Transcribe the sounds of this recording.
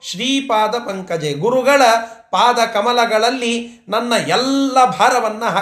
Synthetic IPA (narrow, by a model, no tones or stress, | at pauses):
ʃɾiːpaːd̪ɐpɐŋkɐd͡ʒeːɡuɾuɡɐɭɐpaːd̪ɐkɐmɐlɐɡɐɭɐlːinɐnːɐʔɛlːɐbʱaːɾɐʋɐnːɐɦɐ